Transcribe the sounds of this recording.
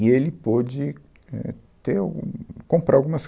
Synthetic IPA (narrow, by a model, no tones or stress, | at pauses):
ielɪpɔd͡ʒɪ | ɛ̰t̪eɾa̰wɡũkõmpɾaɾawɡũmɐs